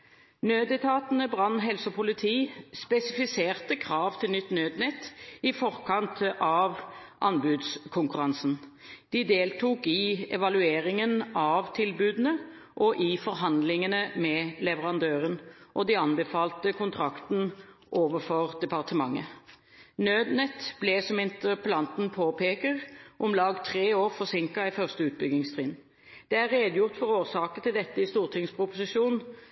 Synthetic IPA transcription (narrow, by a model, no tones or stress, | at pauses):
nøːd̪ɛt̪ʰɑːt̪ənəbʁɑnːɦɛlsəpʰʊlɪt̪ʰiːspɛsɪfɪseːʁt̪əkʰʁɑːʋt̪ʰɪlnʏt̪ːnøːd̪nɛt̪ːɪfɔʁkʰɑnt̪ʔɑːʋʔɑnbʉːd̪skʰʊŋkʉʁɑnsn̩ | d̪̥ɪd̪eːlt̪ʰuːkɪɛʋɑlʉeːʁɪŋənɑʋt̪ʰɪlbʉːd̪n̩ə | ʔɔʔɪfɔʁɦɑnd̪lɪŋənəmɛlɛʋəɾɑnd̪øːʁənʔɔd̪ɪɑnbəfɑːlt̪əkʊnt̪ʰɾɑkt̪nʔoːʋəfɔʁd̪ɛpɑʁt̪əmɑŋːə̰ | nøːd̪nɛt̪b̥lɛsɔmɪnt̪əʁpəlɑnt̪n̩pʰoːpʰeːkəʁʔɔmlɑːɡt̪ʰʁeːoːʁfɔʁsɪŋkɑɪfœʁst̪əʉːt̪̚bʏɡɪŋst̪ʰʁɪn | d̪̥ɛæʁːeːd̪əjʊʁt̪fɔɾoːsɑːkənt̪ɪld̪ɛt̪ːəɪst̪uːʁt̪ʰɪŋspʰɾʊpʊsɪʃuːnn